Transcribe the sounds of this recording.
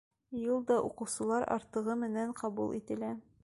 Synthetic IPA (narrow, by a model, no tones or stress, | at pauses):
julˠd̪ɒʔuqɤ̆wsɤ̆lˠɑɾɒ̰ɾt̪ɤ̆ʁɤmɘ̆næɴqɒbulˠʔḭt̪ɘ̆læ